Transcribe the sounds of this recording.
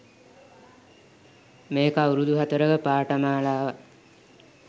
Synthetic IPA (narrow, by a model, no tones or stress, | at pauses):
meːkawɾud̪uɦat̪əɾəʋəpaːʈəmaːlaːʋa